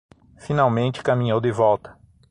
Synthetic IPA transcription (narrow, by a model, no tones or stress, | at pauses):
finawmẽnt͡ʃɪ̥kɐmĩɲowd̪ɪvɔwt̪ɐ̥